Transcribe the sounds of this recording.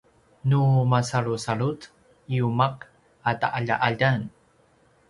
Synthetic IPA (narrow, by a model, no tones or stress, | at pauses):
numasaɭusaɭut | iumak | ata̰ʔaʎa̰ʔaʎan